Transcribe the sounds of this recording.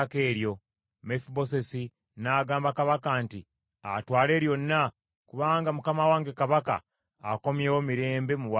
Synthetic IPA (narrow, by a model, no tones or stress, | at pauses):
keːɾjo̞ | mefuβo̞se̞si | naːɡaːmbakaβakaːnti | atwaːle̞ːɾjo̞nːa | kuβaːŋɡamukamawaːŋɡe̞kaβaka̰ː | ko̞mje̞ːwo̞miɾe̞ːmbe̞muwa